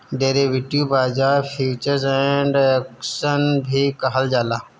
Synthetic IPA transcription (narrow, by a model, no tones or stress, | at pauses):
ɖeːɾeʋɪʈijobaːd͡ʒaːɾfʰiːt͡ʃəɾzɛ̃ɳɖəkʃənbʱikɐɦəld͡ʒaːlaː